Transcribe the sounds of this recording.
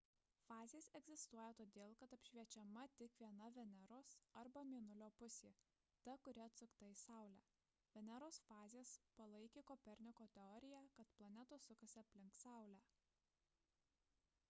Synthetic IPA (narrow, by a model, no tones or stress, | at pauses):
fɑːzʲeːsɛɡzʲɪst̪uɔjɛt̪oːd̪ʲeːlˠkɐt̪ɐpʲʃʲʋʲiɛt͡ʃʲɛmɐt̪ʲɪkʋʲiɛnɐʋʲɛnʲɛɾoːsɐɾbɐmʲiːnʊlʲoːpʊsʲeː | t̪ɐkʊɾʲɛɐt̪sʊkt̪ɐɪsɑˑʊlʲæ̰ː | ʋʲɛnʲɛɾoːsfɑːzʲeːspɐlˠɐɪkʲeːkɔpʲɛɾʲnʲɪkoːt̪ʲɛɔːɾʲɪjæːkɐt̪plˠɐnʲɛt̪osʊkɐsʲɪɐpʲlʲɪŋk̪sɑˑʊlʲæː